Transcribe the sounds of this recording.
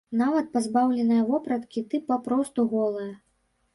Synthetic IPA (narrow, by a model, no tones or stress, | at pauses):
navɐt̪̚pɐzbawlʲɛnɨjɐvɔpɾɐt̪kʲit̪ɨpapɾɔst̪uɣɔlˠɨjɐ